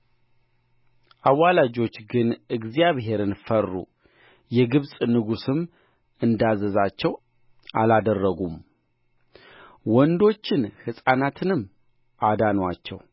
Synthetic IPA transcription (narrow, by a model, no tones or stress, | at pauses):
ʔawːalad͡ʒo̞t͡ʃːɡɨnɨɡzijaβɦe̞ɾɨnfərːṵ | jɛɡɨβsʼnɨɡusɨm | ɨnd̪azəzat͡ʃːɛw | ʔalad̪ərːəɡum | wɔnd̪o̞t͡ʃːɪnhɨsʼanat̪ʰɨnɨmː | ʔad̪anwat͡ʃːɛ̰w